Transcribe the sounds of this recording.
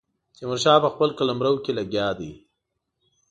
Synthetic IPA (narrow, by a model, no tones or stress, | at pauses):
t͡ʃemaɾʃɑpəxpəlkalamɾəwkelaɡjɑd̪ḭ